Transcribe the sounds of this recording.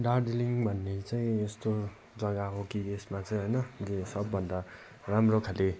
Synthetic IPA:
ɖarɖeliŋbʱʌnːet͡saĩest̪o | d͡zʌɡaɦokiesmat͡sʌĩɦojnʌesʌbːʌnd̪a | ramrokʰale

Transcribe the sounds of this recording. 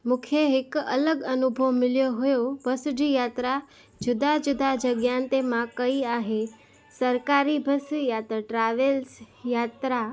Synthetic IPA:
mʊkʰjəɦɪkə̰ləɡənʊbʱəʋmɪljoɦojobʱəsɖijat̪ɾa | d͡ʒʊd̪ʱad͡ʒʊd̪ʱad͡ʒəɡjant̪emãkəiaɦe | səɾkaɾibʱəsijat̪ɾəʈɾaʋels | jat̪ɾa

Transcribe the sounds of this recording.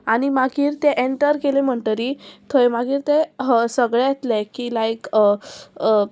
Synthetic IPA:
aɽ̃imaɡiːɾt̪eʔeɳʈəɾkelem̤əɳʈəɾit̪ʰojmaɡiːɾt̪esəɡɭejet̪lekiːlajk

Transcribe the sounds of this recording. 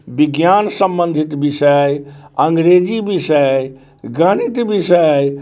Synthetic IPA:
biɡjansəmbənd̪ʱit̪bisəjəŋɡɾed͡ʒibisəj | ɡənit̪bisəj

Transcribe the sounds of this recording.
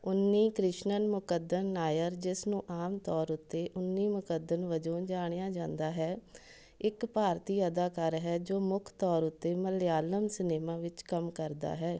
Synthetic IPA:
ʊnːiːkɾɪʃnənmʊkəd̪ənːaːjəɾd͡ʒɪsnũːʔaːmt̪ɔːɾʊt̪ːeːʔʊnːiːmʊkəd̪ənʋəd͡ʒõːd͡ʒaːɽ̃ejãːd͡ʒãːnd̪aːɦɛː | ɪkpaːɾt̪iːəd̪aːkaɾɦɛːd͡ʒoːmʊkʰt̪ɔːɾʊt̪ːeːməlɪjaːləmsɪneːmãːʋɪt͡ʃkəmkəɾd̪a̰ːɦɛː

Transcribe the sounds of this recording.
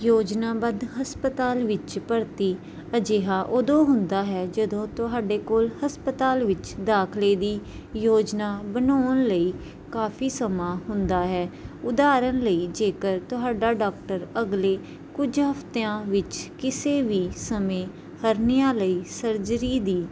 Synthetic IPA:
joːd͡ʒnaːbəd̪ɦəspət̪aːlʋɪt͡ʃpəɾt̪iː | əd͡ʒeːɦaːʔod̪õːɦʊnd̪aːɦɛːd͡ʒəd̪õːt̪ʊɦaːɖeːkoːlhəspət̪aːlʋɪt͡ʃd̪aːkʰleːd̪iː | joːd͡ʒnaːbənoːənləiː | kaːpʰiːsəmãːɦʊnd̪aːɦɛːʊd̪aːɾənləiːd͡ʒeːkəɾt̪ʊɦaːɖaːɖaːk̚ʈəɾəɡleː | kʊd͡ʒɦəpt̪eːãːʋɪt͡ʃkɪseːʋiːsəmẽː | həɾnɪjãːləiːsəɾd͡ʒɾiːd̪iː

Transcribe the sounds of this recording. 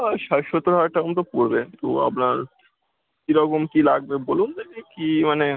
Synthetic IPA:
aʃaʃot̪ːoɾɦaʈaomt̪opoɾbet̪oa̰pnaɾ | kiɾɔkomkilaɡ̚bebolundeɡikimane

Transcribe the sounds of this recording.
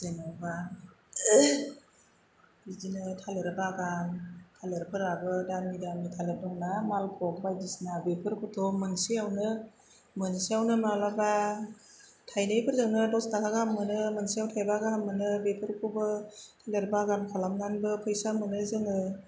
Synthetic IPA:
zenaba | bizinɯtʰalɯɾɯbaɡantʰalɯɾpʰɯɾabɯdanmidanmitʰalɯdɔŋnamalkʰɔk̚bajdisnabepʰɯɾkʰutʰɔmɯŋsiawnɯ | mɯnsiawnɯmalaba | tʰajnajpʰɯɾzɯŋnɯdɔstakʰaɡamːɯnɯmɯŋsijawtʰajbaɡaɦamːɯnɯbepʰɯɾkʰubɯtʰalɯɾɯbaɡankʰalamɡanbɯpʰɯjsamɯnɯzɯŋɯ

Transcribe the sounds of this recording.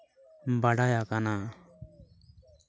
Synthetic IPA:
baɽajakana

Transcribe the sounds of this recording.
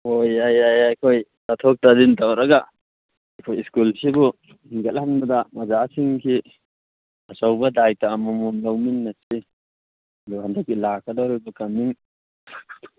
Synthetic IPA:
hojajajajkʰojtatʰɔk̚tadintʰawɾɐɡa | ajkʰojiskulsibu | hiŋɡatlhanbɐdɐmɐzasiŋkʰi | ɐsawbɐdajtaːmɔmɔmlawminːasi | duhandak̚ːilakʰadawɾibɐkɐmiŋ

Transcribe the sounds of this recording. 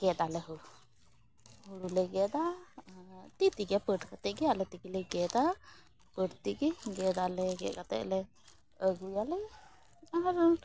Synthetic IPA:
ɡ̥ɛd̪alɛɦu | huɾulɛɡɛd̪a | t̪it̪iɡɛpəʈkat̪ɛʔɡɛalɛt̪ikilɛɡɛd̪a | pəʈt̪iɡɛɡɛd̪alɛɡɛ̰ʔ̚kat̪ɛ̰ʔlɛ | əɡujalɛ | aɾ

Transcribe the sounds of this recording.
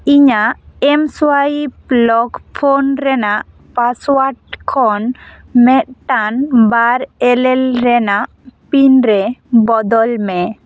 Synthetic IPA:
iɲaʔɛmswaiplɔkpʰonɾɛnaʔ | paswaʈ̚kʰɔn | mɛt̪̚ʈanbaɾɛlɛlɾɛnaʔpinɾɛbɔd̪ɔlmɛ

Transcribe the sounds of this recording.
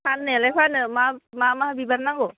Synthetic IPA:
anːɯalajpʰanɯmamamahbibannːaŋɡo

